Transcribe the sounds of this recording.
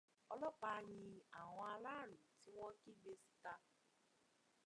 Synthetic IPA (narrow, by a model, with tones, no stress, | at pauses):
ɔ˧lɔ˦k͡pa˧ɲĩ˧a˨w̃ɔ̃˧a˧la˦˨lũ˨ti˦w̃ɔ̃˦ki˦ɡ͡be˧si̥˦ta˧